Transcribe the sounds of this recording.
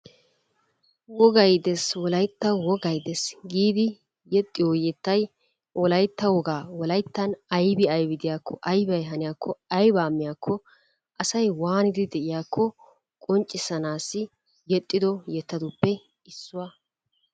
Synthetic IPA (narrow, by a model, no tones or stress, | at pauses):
wɔɡɐjd̪ɛswɔlɐjt̪ːɐwɔɡɐjd̪ɛsɡiːd̪ɪ | jɛt̪ʼːɪwɔjɛt̪ːɐj | wɔlɐjt̪ːɐwɔɡaːwɔlɐjt̪ːɐnɐjbɪɐjbɪd̪ɪjaːkʰːɔʔɐjbɐjɦɐnɪjakʰːɔɐjbaːmːɪjakʰːɔ | ʔɐsɐjwaːnɪd̪ɪd̪ɛʔɪjaːkʰːɔ | kʼɔnt͡ʃʼːɪsɐnaːsːɪ | jɛt̪ʼːɪd̪ɔjɛt̪ːɐd̪ʊpːɛ | ɪsːʊwaː